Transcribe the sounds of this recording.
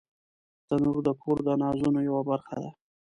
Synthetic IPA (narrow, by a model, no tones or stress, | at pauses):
t̪anuɾd̪əkʰoɾd̪ənɑzunojawabaɾxa̰d̪a